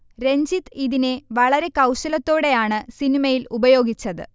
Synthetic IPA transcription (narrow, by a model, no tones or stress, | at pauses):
ɾe̞ɲd͡ʑit̪ːiðineʋɐɭɐɾe̞kɐwɕɐlɐt̪ːo̞ːɽe̞jaːɳɨsinimɐjilubɐjo̞ːɡit͡ɕːɐðɨ̰